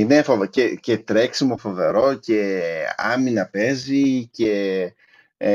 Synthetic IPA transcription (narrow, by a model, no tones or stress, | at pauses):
inefovcecet̪ɾeksimo̞fo̞ve̞ɾo̞ce̞ɐminɐpe̞zice̞